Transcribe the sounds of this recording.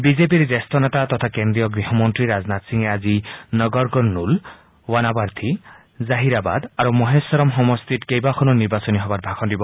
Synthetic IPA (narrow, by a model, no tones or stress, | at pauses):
bizep̬iɾd͡ʒest̪ɔnet̪at̪ɔt̪ʰakend̪ɾijɔɡɾiɦɔmɔnt̪ɾiɾaznat̪siŋeazinɔɡɔɾkɔɾnul | wanabaɾt̪ʰi | zaɦiɾaba̰d̪aɾumɔɦesɔɾɔmɦɔmɔst̪itkejbakʰɔnɔniɾbasɔniɦɔbaɾbʱakʰɔndibɔ